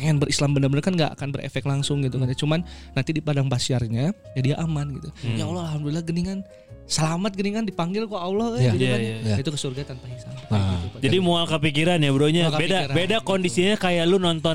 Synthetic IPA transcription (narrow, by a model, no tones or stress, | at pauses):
ŋanbəɾʔislambənərbənərkanŋɡaʔa̰kanbəɾʔḛfɛk̪̚laŋsʊŋɡit̪ukanat͡ʃumanːant̪idipadaŋpasiarɲa | jadiaʔamanɡit̪ujaolɔalɦamdulilaɡəniŋan | səlamat̪̚ɡəniŋandipaŋɡɪlkoawlɔɡiukait̪ukəsurɡat̪anpaisanikad͡ʒadimoalkəpik̬iɾanjabəɾoɲakbedaɾbedakɔndisiɲakajalunɔnt̪ɔ